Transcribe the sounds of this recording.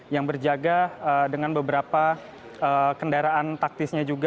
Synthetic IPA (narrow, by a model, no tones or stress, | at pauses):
jaŋbərd͡ʒaɡaədəŋanbəbəɾapa | əkəndaɾaʔant̪ak̚t̪ɪsɲad͡ʒuɡ